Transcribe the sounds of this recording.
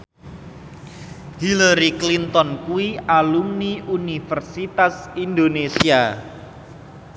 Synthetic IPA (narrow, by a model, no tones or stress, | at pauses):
hilaɾiklint̪ɔnkuwiʔalumniʔunifərsit̪asind̪onesia